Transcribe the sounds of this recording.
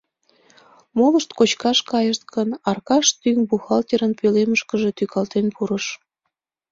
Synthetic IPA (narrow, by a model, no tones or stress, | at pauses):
moləʃt̪kot͡ɕkɑʃkɑjəʃt̪̚kənɑrkɑʃt̪yŋbuxɑlt̪ʲeɾənpøleməʃkəʒe̽t̪ykɑlt̪enpuɾəʃ